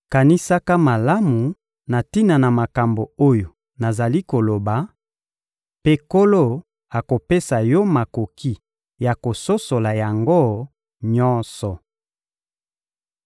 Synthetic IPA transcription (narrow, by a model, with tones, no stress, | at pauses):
ka˨ni˦sa˦ka˦ma˨la˦mu˨ | na˨ti˦na˨na˨ma˨ka˨mbo˨o˦jo˨ | na˨za˨li˦ko˨lo˨ba˨ | pe˦ko˦lo˦˨ | a˨ko˨pe˦sa˨jɔ˦ma˨ko˨kʰi˦ | ja˨ko˨so˦so˨la˨ja˨ŋɡo˦ | ɲɔ˦nsɔ˨